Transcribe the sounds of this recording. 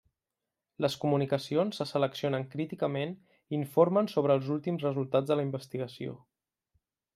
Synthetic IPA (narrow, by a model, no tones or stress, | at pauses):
ləskumunikəsionsːəsələksionəŋkɾit̪ikəmen | iɱfoɾmənsoβ̞ɾəːlˠzulˠt̪imzrəzulˠt̪ad͡zðələimbəst̪iɣəsio̰